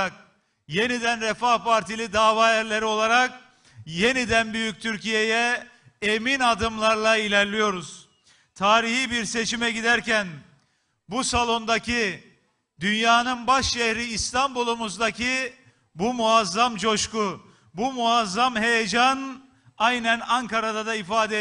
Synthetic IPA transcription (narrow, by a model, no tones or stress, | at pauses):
k̚ | je̞nid̪ænɾefahpʰaɾt̪ʰilʲid̪aːvaːæɾlʲe̞ɾio̞lˠaɾak̚ | je̞nid̪ænbyjyc̚t̪ʰyɾcijejɛ | eminad̪ɯmlˠaɾlˠailʲæɾlʲijo̞ɾuz̥ | t̪ʰaːɾihibiɾse̞t͡ʃimɛɟid̪æɾcæn | busalˠo̞nd̪acʰi | d̪ynjaːnɯnbaʃʃɛhɾiːst̪ʰambulˠumuzd̪acʰi | bumuazːamt͡ʃo̞ʃku | bumuazːamɦe̞jed͡ʒan | ajnænaŋkaɾad̪ad̪aifaːd̪ɛ